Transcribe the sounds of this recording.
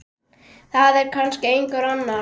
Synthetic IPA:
θaðɛɾkʰanscɪejŋkaɾanːa

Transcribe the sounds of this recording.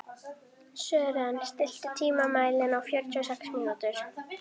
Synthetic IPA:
sœːɾanst̪ɪl̥t̪ʏt̪ʰiːmamaːjlɪnawfjœɾt̪ʏɔsɛksmiːnut̪ʏɾ̥

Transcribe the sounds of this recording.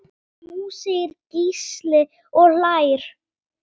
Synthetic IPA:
muːsɪɪɾcislɪ | ɔɣlaːjɾ̥

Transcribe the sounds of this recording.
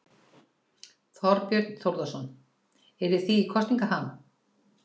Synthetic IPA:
θɔɾpjœɾt̪n̥θowɾðasɔn | ɛɾɪ̥θiːkʰɔst̪iŋkaɦan

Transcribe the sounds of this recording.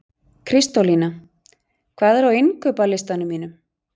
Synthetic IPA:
kʰɾɪst̪olina | kʰvaːðɛɾvawenkœːpalɪst̪anʏmiːnʏ

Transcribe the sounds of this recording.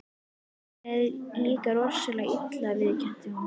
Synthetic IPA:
ɛðliːkaɾɔr̥sʏlaɣɪt̪lavɪðcʰɛn̥t̪ɪ

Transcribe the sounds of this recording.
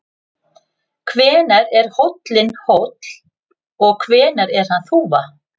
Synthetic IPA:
kʰvɛːnaɾɛɾ̥howt̪lɪnhowt̪l̥ | ɔɣkʰvɛːnaɾɛɾ̥hanθuːva

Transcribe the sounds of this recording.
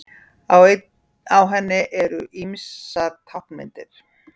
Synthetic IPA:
aw | awɦɛnːɪʔɛɾʏʔimsaɾt̪ʰawhkmɪ̰nt̪ɪɾ̥

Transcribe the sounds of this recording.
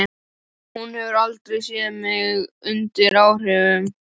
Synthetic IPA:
hunhɛvʏɾalt̪ɾejsjɛːðmɪɣʏnt̪ɪɾaːwr̥ɪvʏm

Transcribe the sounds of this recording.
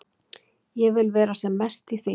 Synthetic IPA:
jɛɣvɪlvɛːɾasɛmːɛst̪iθi

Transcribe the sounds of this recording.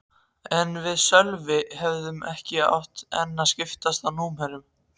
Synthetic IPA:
ɛnvɪðsœlvɪɦɛvðʏmɛhcɪa̰wht̪ɛ̰nːascɪft̪ast̪anuːmhɛɾʏm

